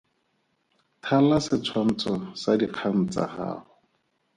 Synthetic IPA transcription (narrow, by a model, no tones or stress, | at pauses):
tʰalasɪt͡sʰwan̩t͡sʰɔsadiq͡χʰan̩t͡sa̰ha̰ːhʊ